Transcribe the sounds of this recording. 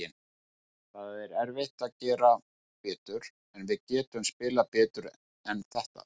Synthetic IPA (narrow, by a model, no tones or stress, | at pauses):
ɪn | θaðɛɾɛɾveht̪aðcɛːɾa | pɛːt̪ʏɾ̥ | ɛnvɪðcɛːt̪ʏmspɪːlapɛːt̪ʏɾ | ɛnθɛht̪a̰